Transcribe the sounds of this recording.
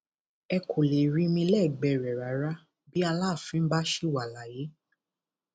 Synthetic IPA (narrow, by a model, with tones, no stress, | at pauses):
ɛ˧kʰo˨le˨ɾĩ˧mĩ˧lɛ˦˨ɡ͡bɛ˧˨ɾɛ˨ɾa˨˦ɾa˦ | bi˦a˧laː˦˨fĩ˦n̩˦ba˦ʃi˦˨wa˨la˨je˨˦